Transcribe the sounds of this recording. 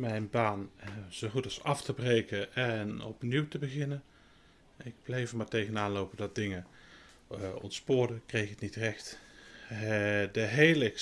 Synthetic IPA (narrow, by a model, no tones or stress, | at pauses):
mɛjnbaːnz̥owχutɑsɑftəbrejkənɛnɔ̰pniwtəbəχɪnən | ɪɡ̚b̥lejvmaːɹtejɣənaːnlowpədɑt̚dɪŋə | ɔ̰ntspʊːɹdəkrejχətnitrɛχt | dəɦejlə